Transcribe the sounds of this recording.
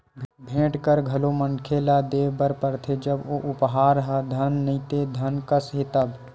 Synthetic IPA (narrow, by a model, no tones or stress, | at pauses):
bʱẽːʈkəɾɡʱɐlomənkʰelad̪eːʋbəɾpəɾt̪ʰed͡ʒɐboːʔʊpɦaːɾɦad̪ʱɐnːɐĩt̪ed̪ʱɐnkəsɦet̪əb